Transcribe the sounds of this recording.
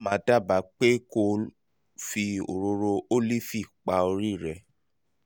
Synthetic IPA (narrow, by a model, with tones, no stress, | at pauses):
mãː˨˦da˦˨ba˨˦k͡pe˦ko˧ | fi˧o̰˨ɾo˧ɾo˧o˦li˦fi˦˨k͡pa˧o˧ɾi˦˨ɾɛ˧